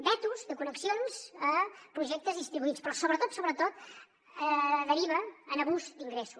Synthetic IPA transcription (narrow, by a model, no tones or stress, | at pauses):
bɛt̪uzðəkunəksionzəpɾuʒɛk̚t̪əzðist̪ɾiβuit͡spɾɔsoβɾət̪ot̪soβɾət̪ot̪ | əðəɾiβəːnəβuzd̪iŋɡɾesus